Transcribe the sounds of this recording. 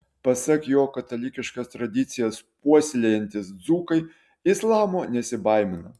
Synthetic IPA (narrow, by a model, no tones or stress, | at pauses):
pɐsɐkjoːkɐt̪ɐlʲɪkʲɪʃkɐst̪ɾɐd̪ʲɪt̪sʲɪjɛspuɔsʲlʲɛjɛnʲt̪ʲɪsd̪zuːkɐɪ | ɪslˠɑːmoːnʲɛsʲɪbɐɪmʲɪnɐ